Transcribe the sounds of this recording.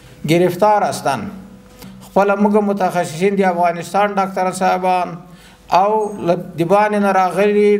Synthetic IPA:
ɡɪɾɪft̪ɑːɾast̪an | xpəlamuɡamʊt̪axasɪsind̪əafɣɑːnɪst̪ɑnɖɑk̚t̪aɾasɑbɑn | awlad̪ɪbɑnenaɾɑɣəli

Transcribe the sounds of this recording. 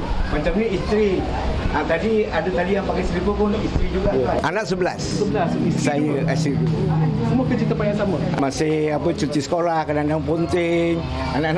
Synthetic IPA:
mat͡ʃamɲəist̪ɾi | at̪adiadət̪adijaŋpakajsəlipəkɔnʔist̪ɾid͡ʒuɡaanaʔsəbəlassəbəlassajəasidusəmuəkət͡ʃit̪apajasaməamasɪapət͡ʃut̪isə̥kolahkədandaŋpont̪ɪŋ | anaʔn

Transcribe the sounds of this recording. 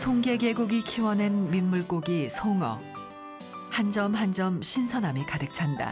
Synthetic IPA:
sʰoŋɡe̞ɡe̞ɡoɡikʰiwʌne̞nminmuɭk͈oɡisʰoŋʌ̰ | hand͡ʑʌmhand͡ʑʌmɕʰinsʰʌnamikadɯk̚t͡ɕʰanda̰

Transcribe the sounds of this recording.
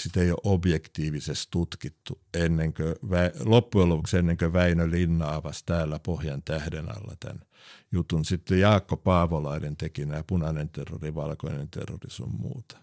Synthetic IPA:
sit̪eio̰ʔobjekt̪iːʋisest̪t̪ut̪kit̪ːu | enːeŋkøʋæilopːuelopuksenːeŋkøʋæinølinːɑːʋɑst̪æːlːæpohjɑnt̪æhdenɑ̰lːɑ̰t̪æ̰n | jut̪unsit̪ːejɑːkːopɑːʋolɑinent̪ekinæjɑpunɑnent̪erːo̰riʋɑlko̰inent̪ḛrːo̰riso̰mmṵːt̪ɑ̥

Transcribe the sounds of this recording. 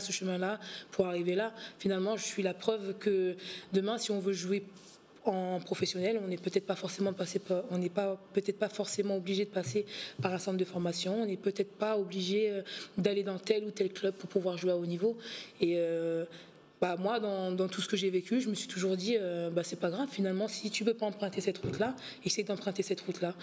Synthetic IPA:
asəʃəmɛ̃lapuʁaʁivelafinalmɑ̃ʒəsɥilapχœvkəd̪əmɛ̃siɔ̃vøʒuwe | ɑ̃pχɔfɛsjɔnɛlɔ̃nɛpøt̪ɛt̪χpafɔʁsemɑ̃əpaseɔ̃nɛpapøt̪ɛt̪χpafɔʁsemɑ̃obliʒed̪əpasepaʁɛ̃sɑ̃pld̪əfɔʁmasjɔ̃ɔ̃nɛpøt̪ɛt̪χpaobliʒeød̪aled̪ɑ̃t̪ɛlut̪ɛlklœb̚puʁpuvwaʁʒweaonivoeø | bamwad̪ɑ̃d̪ɑ̃t̪usə̥kəʒevekʲyʒəməsɥi̥t̪uʒuʁd̪iøbasɛpaɡʁavfinalmɑ̃sit̪ypøpaɑ̃pχɛ̃t̪esɛt̪ʁut̪la | ɛsɛjd̪ɑ̃pχɛ̃t̪esɛt̪ʁut̪la

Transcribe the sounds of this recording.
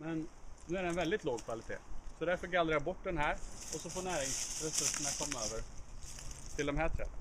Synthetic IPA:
mɛnːʉ̟ːæɖɛːnvɛld̪ɪt̪ʰloːɡ̚kʰvalɪt̪ʰḛːsɔd̪æɾfœɾɡald̪ɾajabɔʈːd̪ɛnɦæːɾɔsɔfoːɳæːɾɪŋsɾɛsɵʂəɳakʰɔmːaøːvəɾ | t̪ʰɪld̪ɔmɦæːʈʰɾɛ̰ːlːə̰n

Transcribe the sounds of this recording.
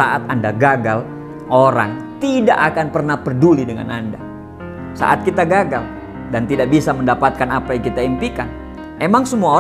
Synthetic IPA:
aʔat̪andaɡaɡal | ʔoɾa̰ŋt̪idaʔakanpərnahpərdulidəŋa̰nanda | sa̰ʔat̪̚kit̪aɡaɡal | dant̪idaʔ̚bisaməndapat̪̚kanapajaŋkit̪aimpikan | emaŋsəmuao

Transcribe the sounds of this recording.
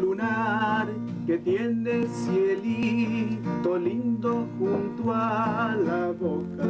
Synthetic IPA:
lunaɾ | ke̞t̪jend̪esjeli | t̪olind̪oxunt̪walaβoka

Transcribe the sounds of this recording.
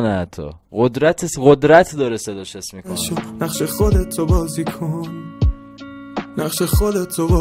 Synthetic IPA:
nææt̪ʰːɔ̰ | ɣod̪ɾæt̪ʰesɣod̪ɾæt̪ʰd̪ɒːɾesed̪ɒːʃesmikʰʃenaqʃeχod̪et̪ʰobɒːzikʰon | næχʃeχod̪et̪ʰobɒː

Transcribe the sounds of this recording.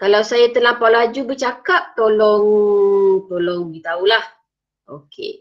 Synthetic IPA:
kalawsajat̪ənlapawlad͡ʒubət͡ʃakap̚t̪olɔŋ | t̪olɔŋdit̪aulah | ʔokʰḛ

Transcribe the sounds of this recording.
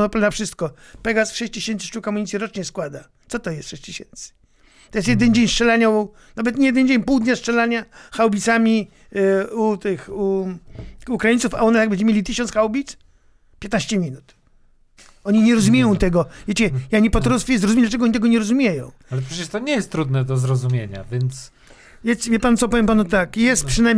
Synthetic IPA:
nɔpnafʂɨst̪kɔpɛɡasʂɛɕt͡ɕt͡ɕ̪iɕɛnt̪sɨ̥ʂt͡ʂukɔmuɲit̪ʲjiɾɔt͡ʂɲɛskwad̪a | t̪sɔt̪ɔjɛst̪ʂɛɕt͡ɕt̪eɕɛnt̪sɨ̥ | t̪ɔjɛst̪jɛd̪ɛnd͡ʑeɲsʂt͡ʂɛlaɲau | navɛt̪ɲejɛd̪ɛnd͡ʑeɲpuwd̪ɲast͡ʂɛlaɲaxawbʲit̪samʲi | ut̪ɪxuː | kɾajɲit̪sufa̰ɔnat̪jaɡ̚bɛnɲd͡ʑɛmjelʲit̪ɨɕɔnt̪sxawbʲit̪s | pʲjɛt̪naɕt͡ɕɛmʲinut̪ | ɔɲiɲɛɾɔzumʲjejɔ̃w̃t̪ɛɡɔvjet͡ɕɛjaɲɛpɔt̪ɾɔsfʲjizɾɔzumʲɛd̪lat͡ʂɛɡɔɔɲit̪ɛɡɔɲɛɾɔzumʲjejɔ̃w̃alɛpʂɛt͡ɕɛʂt̪ɔɲɛjɛst̪t̪ːɾud̪nɛd̪ɔzɾɔzumʲjeɲa̰vʲjɛnt̪s | vjɛvʲɛpant̪sɔpɔvʲjɛmpanut̪akjɛst̪̚pʂɨnaj

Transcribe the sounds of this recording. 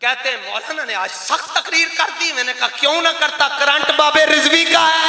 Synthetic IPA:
kɛːt̪ẽːmɔːlaːnãːnẽːaːd͡ʒsəxt̪əkɾiːɾkəɾt̪iːmɛ̃ːnẽːkaːkjõːnaːkəɾt̪aːkəɾə̃ɳʈbaːbeːɾɪzʋiːkaːɛː

